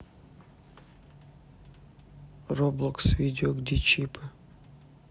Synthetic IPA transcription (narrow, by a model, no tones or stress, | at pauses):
roblˠoksvʲid̪ʲɪoɡd̪ʲit͡ʃipʰɨ